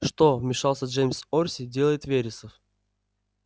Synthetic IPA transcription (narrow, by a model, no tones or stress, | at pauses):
ʂt̪omʲɪʂalˠsʲəʐejmʲsorʲsʲɪdʲe̞lˠəjɪt̪vʲeɾʲɪsəf